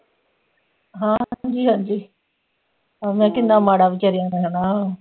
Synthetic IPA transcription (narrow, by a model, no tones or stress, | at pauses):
ɦãːɦɲd͡ʒiːɦãːɲd͡ʒiː | amɛ̃ːkɪnd̪ãːmaːɽaːʋɪt͡ʃaːɾijãːd̪eɦaːnaː